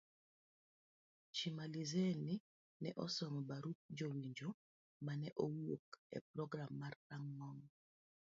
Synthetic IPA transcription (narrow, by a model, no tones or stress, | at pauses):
t͡ʃimalizɛni | nɛʔɔsɔŋɔbaɾut̪̚d͡ʒowiɲd͡ʒo | manɛʔowokɛ̰p̚ɾɔɡɾamːartaŋmɔŋ